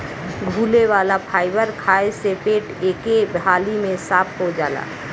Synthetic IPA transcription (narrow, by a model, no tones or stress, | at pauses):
ɡʱuːleʋaːlapʰaːɪbəɾkʰaːesepeːʈeːkebɦaːlimẽsaːp̚ʰɦod͡ʒaːla̰ː